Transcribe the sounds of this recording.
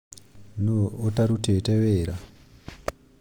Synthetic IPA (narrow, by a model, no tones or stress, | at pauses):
nootaɾuteteʋeːɾa